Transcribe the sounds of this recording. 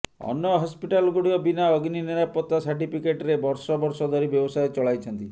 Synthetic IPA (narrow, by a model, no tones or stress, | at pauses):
ɔ̰njɔɦɔspiʈalɡuɽiɔbinaɔɡniniɾapɔt̪ːasaɾʈipʰikeʈɾebɔɾsɔbɔɾsɔd̪ʱɔɾibjɔbɔsajet͡ʃɔɭajt͡ʃʰɔnt̪i